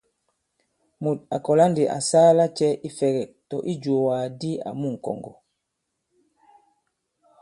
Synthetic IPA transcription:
mu˨t̚a˨kɔ˨la˦ndi˨ʔa̰˨saː˦la˦t͡ʃɛ˦ʔi˦fɛ˨ɡɛ˨k̚tɔ˨ʔi˦d͡ʒo˨wa˨di˦a̰˨mu˦ŋ̩˨kɔ̰˨ŋɡɔ̰˨

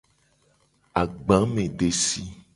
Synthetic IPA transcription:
a˨ɡ͡bã˨˦mẽ˨ɖe˨si˦

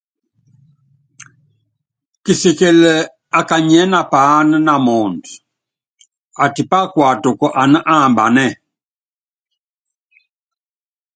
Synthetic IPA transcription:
ki˨si˨kɛ˨lə˨ | a˨ka˨ɲɛ˦na˨pa˦nə˦na˨mɔ˨nd | a˨ti˨pa˦kwa˨tɔ˨kɔ˨ʔa˨nə˦ʔa˦˨mba̰˨nɛ˦

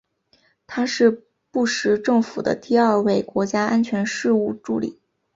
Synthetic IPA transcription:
t̪ʰa˥ʂɻ̩˥˧ | pu˥˩ʂɻ̩˧˥ʈ͡ʂɤ˥˩ŋfu˨˩d̪ə̰˦t̪i˥˧ɐ˥˧we˥˩ɪkwɔ˧˥t͡ɕja˥a˥nt͡ɕʰɥɛ˧˥nʂɻ̩˥˧u˥˩ʈ͡ʂu˥˩lḭ˨˩˦

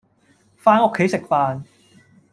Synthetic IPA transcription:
faː˥nʊ˨˧kʰːe˨˥jsɪ˨k̚faː˧n

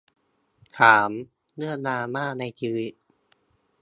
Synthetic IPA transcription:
kʰaː˩˦m | nɯ˥˩ənaː˧maː˥˩na˧jt͡ɕiː˧wi˦˥t̚

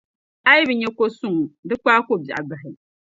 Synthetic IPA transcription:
a˦jɪ˦bɨ˨ɲɛ˦ko˦sʊ˦ŋ˨dɨ˦k͡paː˦ko˦ba˨ʔa˨ba˨ɦɪ˨

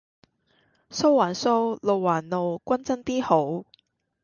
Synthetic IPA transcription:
so˥wwaː˨˩nso˥wlo˨wwːaː˨˩nlo˨˧wkʷɐ˥nt͡sɐ˥nt̪iː˥ho˨˥w

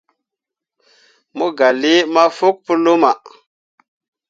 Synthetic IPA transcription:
mu˦ɡa˨li˦ma˦fu˦k̚pu˦lu˦ma˨

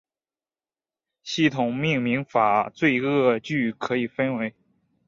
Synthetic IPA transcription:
ɕi˥˩t̪ʰʊ˨˩ŋmi˥˩ŋmi˧˥ŋfa˨˩t͡swe˥˧ɪɤ˥˧t͡ɕy˥˩kʰɤ˧˥i˨˩fə˥nwe˧˥ɪ

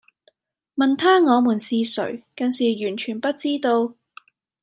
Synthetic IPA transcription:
mɐ˨nt̪ʰaː˥ŋɔː˨˧muː˨˩nsiː˧sɵ̰˨˩ɥkɐ˨˧nsiː˨˩jyː˨˩nt͡ʃʰyː˨˩npɐ˥t̚t͡siː˥t̪o˧w

